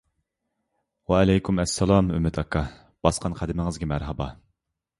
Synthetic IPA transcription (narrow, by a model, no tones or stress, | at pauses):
wɛælɛjkʰʲumɛsːælˠɑmy̰mːɪt̪ʰɑkʰɑ | b̥ɑsqʰɑnqʰæd̪ɪmɪŋɨzɡʲɛmæɾɦɛbɑ